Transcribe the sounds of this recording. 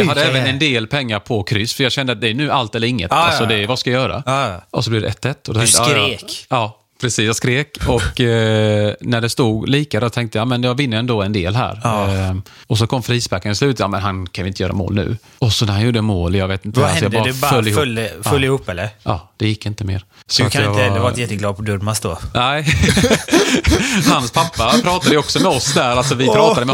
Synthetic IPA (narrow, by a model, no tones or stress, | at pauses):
jɑad̪ːɛɛvənɛnd̪eːlpʰɛŋːaɾpʰɔkʰɾʏsːfœɾjɑɡɕɛnd̪əat̪̚d̪ɛænʉ̟ːalt̪ɛlːəɾɪŋːə̰t̪alsɔd̪ɛvaskajajœːɾa̰ɔsɔblɪvd̪ɛ̰ʔɛt̪ʰːɛt̪ːɔd̪ɔt̪ɛt̪ɾeːkɑː | pʰɾɛsiːsjɑskɾeːkɔkː | næɖɛst̪uːɡliːkaɾəɔt̪ʰɛŋkt̪əjɑːmɛnjɑːɡvɪnːəɾɛnd̪oːɛnd̪ḛːlɦæ̰ːɾ | ɔs̬ɔkʰɔmːfɾiːsbækːənɪslʉ̟ːt̪jɑ̰ːmɛnɦankʰanjʊɪnt̪əjœːɾa̰mo̰ːlnʉ̟̰ː | ɔsɔnæɾhanjuːɖəəmoːljɑːɡveːt̪ɪnt̪əalɛɔjɑb̪dɑːɾd̪ɛfœlːɪhlfɵlːɪhuːpːɛlːəɾʔɑ̰ːd̪̥ɛjɪkːɪnt̪əmḛːɾsɔkʰanɪənd̪vɑːɾjɛt̪ːəɡlɑːd̪̚pʰɔd̪ɵdmasd̪onɛɪ | hanspʰapːapʰɾɑːt̪ad̪əjɔksɔmɛɔsd̪æɾalsɔvɪpʰɾɑːt̪ad̪əmɛ